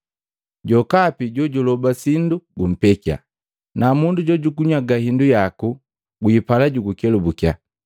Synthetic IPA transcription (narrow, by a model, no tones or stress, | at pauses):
ɟɔkapiɟɔɟulɔbasinduɡum̩pɛkia̰ | namunduɟɔɟukuɲwaɡahindujaku | ɡuipalaɟuɡukɛlubukia̰